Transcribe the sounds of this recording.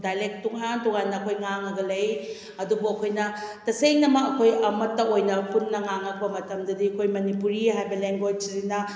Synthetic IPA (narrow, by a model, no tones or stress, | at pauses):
dajlek̚tuŋantɔŋanːɐɐkʰojŋaŋɐɡɐlɐj | ɐdubuɐkʰojnɐtɐseŋnɐmɐkɐkʰojɐmɐtːɐojnɐpunːɐŋaŋɐk̚pɐmɐtɐmdɐdiɐkʰojmɐnipuɾiɦajbɐleŋɡojd͡ʒzinɐ